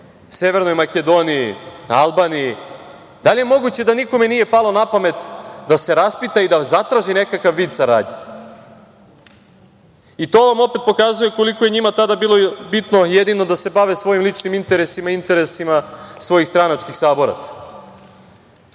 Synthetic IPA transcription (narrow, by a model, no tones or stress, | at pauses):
se̞ʋe̞ɾno̞jmake̞d̪o̞nijialˠbaːniji | d̪alije̞mo̞ɡut͡ɕe̞d̪aniko̞me̞nije̞palˠo̞napame̞t̪d̪ase̞ɾaspit̪aid̪azat̪ɾaːʒine̞kakaʋːiːd̪saɾa̰ːd̪ɲe | it̪o̞ːʋamo̞pe̞t̪̚po̞kazuje̞ko̞likoje̞ɲimat̪ad̪abiːlobit̪nojed̪ino̞d̪ase̞baʋe̞sʋo̞jimlˠit͡ʃnimint̪e̞ɾesimaint̪e̞ɾe̞simasʋo̞jixst̪ɾanat͡ʃkixsaːbo̞ɾa̰t̪sḁ